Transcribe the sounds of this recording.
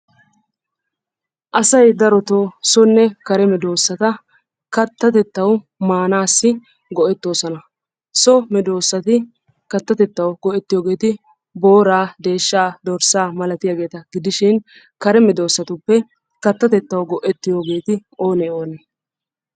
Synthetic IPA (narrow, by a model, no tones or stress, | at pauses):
ʔɐsɐjd̪ɐɾɔt̪oːsɔnːɛkɐɾɛmɛd̪o̞ːsːɐt̪ɐ | kɐt̪ːɐt̪ɛt̪ːɐw | maːnaːsːɪ | ɡɔʔɛt̪ːo̞ːsɔnɐ | sɔmɛd̪o̞ːsːɐt̪ɪ | kɐt̪ːɐt̪ɛt̪ːɐwɡ̥ɔʔɛt̪ːɪjoːɡe̞ːt̪ɪ | bo̞ːɾaːd̪e̞ːʃːaːd̪ɔɾsaːmɐlɐt̪ɪjaːɡe̞ːt̪ɐɡɪd̪ɪʃɪn | kɐɾɛmɛd̪o̞ːsːɐt̪ʊpːɛ | kɐt̪ːɐt̪ɛt̪ːɐwɡɔʔɛt̪ːɪjo̞ːɡe̞ːt̪ɪo̞ːnɛo̞ːnɛ